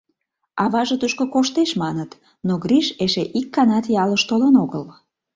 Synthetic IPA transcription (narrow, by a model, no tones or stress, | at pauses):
ɑβɑʒə̆t̪uʃkokoʃt̪eʃmɑnət̪ | noɣɾiʃeʃeʔikːɑnɑt̪jɑləʃt̪olənoɣəl